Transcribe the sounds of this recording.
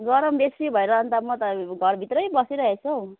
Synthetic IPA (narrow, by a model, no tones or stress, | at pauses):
ɡʌɾʌmbesibʱʌeɾʌɦʌnt̪amʌt̪ʌɡʱʌrbʱit̪rʌjbʌsiɾʌɦet͡sʰo